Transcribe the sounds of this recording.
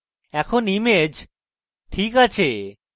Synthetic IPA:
ɛkʰonimed͡ʑ | ʈʰikat͡ɕʰe

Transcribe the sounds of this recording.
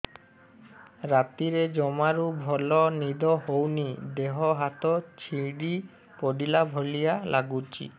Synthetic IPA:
ɾat̪iɾed͡ʒɔmaɾubʱɔlɔnid̪ɔɦownid̪eɦɔɦat̪ɔt͡ʃʰiɽi | poɖilabʱolijalʔa̰ɡut͡ʃʰḭ

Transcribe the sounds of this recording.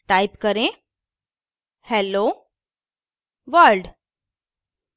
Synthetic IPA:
ʈajpkəɾẽ | hɛlo | ʋəɾɖ

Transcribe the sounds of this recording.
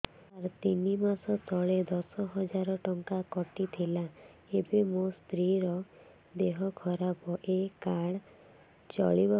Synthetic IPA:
aɾt̪inimasɔst̪ʰɔɭed̪ɔsɔɦɔd͡ʒaɾɔʈɔŋkakɔʈit̪ʰila | ebemost̪ɾiɾɔ | d̪eɦɔkʰɔɾabɔʔekaɽ | t͡ʃɔ̰ɭibɔ

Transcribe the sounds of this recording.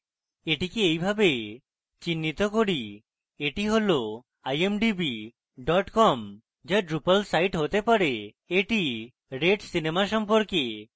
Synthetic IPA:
eʈikiejbʱabe | t͡ɕinːit̪okoɽi | eʈiɦolo | ajemɖibi | ɖɔʈkɔm | d͡ʒaɖɾupalsajʈɦot̪epaɾe | eʈi | ɾeɖsinemaʃɔmpoɾke

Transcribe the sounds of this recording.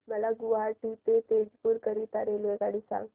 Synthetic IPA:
məlaɡuʋaɾʈit̪et̪ed͡zpuːɾkəɾit̪aɾelʋeɡaɽisa̰ŋɡ

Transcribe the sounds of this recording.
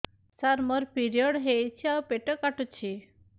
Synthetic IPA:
saɾmɔɾpiɾijəɽɦeit͡ɕʰapeʈəkaʈut͡ɕʰi

